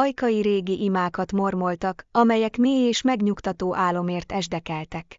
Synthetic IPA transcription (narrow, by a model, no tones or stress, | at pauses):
ɒjkɒjiɾeːɡiʔimaːkɒt̪mo̞rmo̞lt̪ɒkɒmɛjɛkmeːjeːʃmɛɡɲukt̪ɒt̪oːʔaːlo̞meːrt̪ɛʒd̪ɛkɛlt̪ɛk